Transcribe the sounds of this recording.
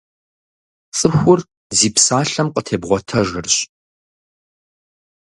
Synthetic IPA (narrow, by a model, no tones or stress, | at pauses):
t͡sʼɨxʷʊr | ziːpsaːɬɐmqətʰeːbʁʷɔtʰɐʒɪrɕ